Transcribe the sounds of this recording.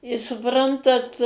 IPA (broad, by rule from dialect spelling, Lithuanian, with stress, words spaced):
ɪ sʊˈprɐntɐt